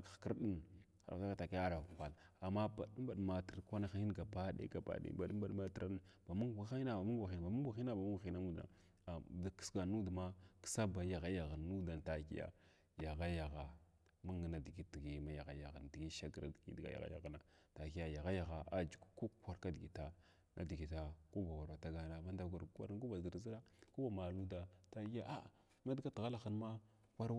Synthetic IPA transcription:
kkə˦ɾɗi˦n | a˨ɾa̰˨ta˦ka˦˨ta˨ka˦a˦ɾa˨ka˨la˨mːa˦ba˨ɗu˦mba˨dma˨tə˨ɾkʷa˦na˦xi˦i˦n˦ɡa˨ba˦dḛ˦ɡa˨ba̰˨˦ɗḛ˦ba˨ɗu˦m˦ba˦ɗma˦tə˦ɾa˦ba˨mu˦ŋɡʷa˨xi˦na˦ba˨mu˦ŋɡʷa˨xi˦na˨ba˨mu˦ɡʷa˨xi˦na˦ba˨mu˦ɡi˦na˦mu˦da̰˨ | da˨kə̥˦sɡa˨nu˦dma˦ki̥˦sa˦ba˨ja˨ɣa˦ja˨ɣa˨nː˨˦u˦da˨nta˨ki˦ja̰˨ | ja˨ɣa˦ja˨ɣa˨ | ma˦ŋə˨na˨di˨ɡi˦ti˨ɡi˨ma˦ja˨ɣa̰˨˦ja˨ɣa˨n˨di˨ɡi˦ʃa˦ɡɾa̰˦dɡḭ˦dɡa̰˨ja̰˨ɣa̰˦ja̰˨ɣa˦˨na˨ | ta˨ki˦ja˨ja˨ɣa˦ja˨ɣa˨ʔa˦d͡ʒu˨kku˦kʷa˦ɾka˦di˨ɡi˨ta˦ | ŋa̰˦di˨ɡi˨ta˨ku˦ba˨wa˨ɾwa˨ta˦ɡa˦na˨ma˦n˦da˦ɡa˨ɾkʷa̰˦ku˦ba˨di˨ɾzi˦ɾa˦ | ku˦ba˨ma˨lu˦da˨ta˦ki˦a˦ʔa˦˨ | ma˦dɡa˦ti˨ɣa˦la˦xə˦nma˦ | kʷa˦ɾ

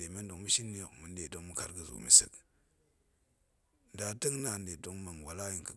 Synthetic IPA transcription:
e˨me˦ndo˨ŋmu˦ʃi˦nːi˦jo˨kmu˨n˦de˨do˦ŋmu˦ka̰˦ɾɡə˨zṵ˨mḭ˨sɨ̰˦k | da˨də˦ŋ˦na˨n˦de˨do˦ŋma˨ŋ˨wa˨la˦ji˨ŋkə˨

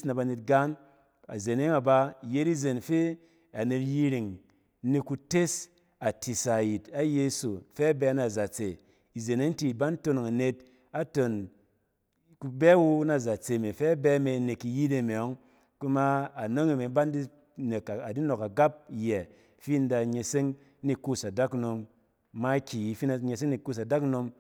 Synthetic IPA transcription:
sna˨ba˧ne˧t̚ɡa˦n | a̰˨ze˨ne˦ŋa˨ba˧˨je˦ti˦ze˨nfe˦ | a˨ne˧tji˦˧ɾi˨ŋ˦ | ni˧ku˧te˦s | a˨tʰi˨sa˨ji˨ta˦je˧˦so˨fɛ˦bɛ˧˦na˨za˨t͡se˨ | i˨ze˨ne˦n˦ti˨ba˦nto˧n˨ŋa˨ne˧t̚ | a˨to˨n | ku˧bɛ˦wu˦na˨za˨t͡se˨me˨fɛ˦bɛ˧˦me˧˨˦ne˨ki˨ji˦de˧˨me˨ɔ˨˦ŋ | ku˦ma˦a˨no˦ŋi˨me˨˦ba˦n˦di˦ | ne˨ka˨di˦no˨ka˨ɡa˦p̚jɛ˨ | fi˦n˦da˧ɲe˧se˦ŋ | ni˦ku˦˨sa˨da˦kno˧mː | a˦kʲi˨ji˨˦fi˦n˨ɲe˧s̬e˦ŋni˨ku˦˨s̬a˨da˦kno˧m

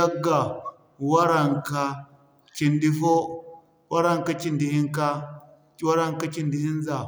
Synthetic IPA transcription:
a˦ɡa˨ | wa˦ɾa˦˨ŋka˦ | t͡ʃi˨ndi˦fo˦ | wa˦ɾa˦ŋka˦t͡ʃi˨ndi˨hi˦ŋka˦ | wa˦ɾa˦ŋka˦t͡ʃi˨ndi˨hi˦n˦za˨

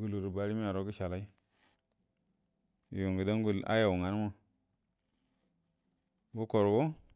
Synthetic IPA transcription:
ɡu˨lu˨ɾu˨ba˨ɾi˦mi˦a˨ɾo˦ɡi˦ʃa˨la˦i˦˨ | ju˨ŋɡə˨da˦ɡu˨la̰˦ja˨wŋa˨n˦ma˦˨ | bu˦ko˨ɾwo˦

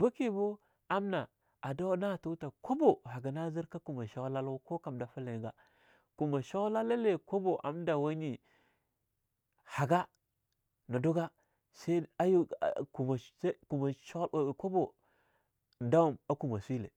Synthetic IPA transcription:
ba˦ke˨bo˦ | a˦mna˨ | a˨da˦na˦˨ta˦ta˨ko˦bo˨ɦa˨ɡa˨na˦zi˦ɾka˦ku˨ma˨ʃa˦wla˦la˦ko˦ka˨mda˨fa˦la˨ɡa˨ | ku˨ma˨ʃa˦wla˦la˦le˨ko˦bo˨ʔa̰˨mda˨wa˦ni˨ | ha˨ɡa˦ | na˨do˦ɡa˦ | sa˦a˦ju˦˨ku˨ma˨˦ku˨ma˨ʃko˦bo˨ | da˦wu˦˨ma˨ku˨ma˨si˦lḛ˨

